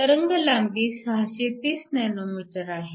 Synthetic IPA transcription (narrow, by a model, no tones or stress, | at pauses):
əɾəŋɡəlaŋɡiːsɦaɕet̪iːsnɛnomiʈəɾaɦe